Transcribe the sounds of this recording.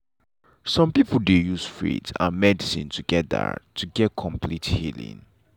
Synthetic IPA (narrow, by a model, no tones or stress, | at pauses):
sɔ̃mpipəldejusfḭtã̰mɛdisĩntʰuɡɛt̚də̰tʰuɡɛt̚kʰɔ̃mpʰlithḭlḭ̃ŋ